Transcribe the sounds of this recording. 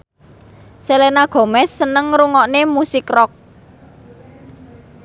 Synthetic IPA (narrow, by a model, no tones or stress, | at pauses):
selenaɡ̥o̤mɛsːənəŋɾuŋɔʔnemusɪkrɔk̚